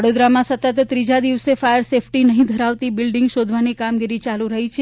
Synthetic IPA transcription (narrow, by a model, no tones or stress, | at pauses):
ɽod̪ɾamãsət̪ət̪ːɾid͡ʒad̪iʋsefajəɾsepʰʈinəɦĩd̪ʱəɾaʋt̪ibɪlɖɪŋɡʃod̪ʱʋanikamɡiɾit͡ʃaluɾəɦit͡ʃʰe